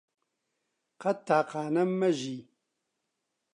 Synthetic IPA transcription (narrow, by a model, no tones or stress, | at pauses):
qɐt̪ʰːaːqaːnɐmːɐʒiː